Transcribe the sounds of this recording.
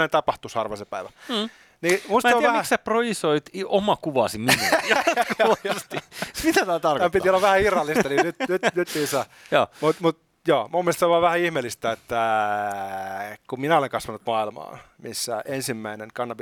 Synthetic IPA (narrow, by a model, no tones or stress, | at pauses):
ent̪ɑpɑht̪ushɑrʋɑsepæiʋæ | nimuistmæteoʋææhiæseproisoit̪omɑkuʋɑsiminu | ɑɑst̪imit̪æt̪ɑːt̪ɑrkæpit̪iolːɑʋʋæhæirɑlːist̪ɑninyt̪nyt̪nyt̪ːisæ | joːmut̪mut̪̚ | joːmumːielst̪seʋɑːʋæhæihmelːist̪æet̪ːæ | kumminæoleŋkɑsʋɑnut̪mɑilmɑ̰ː | misːæensimːæineŋkɑnːɑp